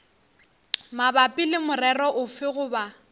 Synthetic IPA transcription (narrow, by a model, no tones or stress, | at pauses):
mabapʼɪlɪmʊrɛrɔʔʊfɪɣʊba